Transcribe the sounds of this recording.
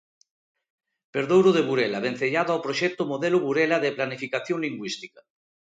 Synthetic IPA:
peɾðowɾoðeβuɾelaβen̟θeʎaðoawpɾoʃɛk̚t̪omoðeloβuɾelaðeplanifikaθjoŋliŋɡwist̪ika

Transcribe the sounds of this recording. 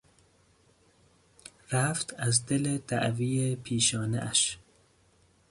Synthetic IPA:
ɾæft̪ʰæzd̪elet̪ʰæ̰ʔviːepʰiːʃɒːnḛʔæʃ

